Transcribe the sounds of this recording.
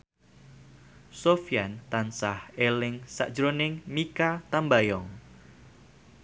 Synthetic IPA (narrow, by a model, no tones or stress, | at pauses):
sofijant̪ansahelɪŋsa̰ʔʒɾonɪŋmikat̪ambajɔŋ